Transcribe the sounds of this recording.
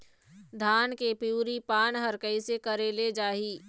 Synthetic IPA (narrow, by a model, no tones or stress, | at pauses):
d̪ʱaːnkepjuːɾipaːnɦəɾkəisekəɾeːled͡ʒaːɦiː